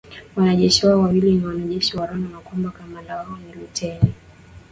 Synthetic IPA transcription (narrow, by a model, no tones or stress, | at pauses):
wanaʄɛʃiwaɔwawiliniwanaʄɛʃiwaɾɔnamakɔmbakamanldawaɔniɾutʰɛni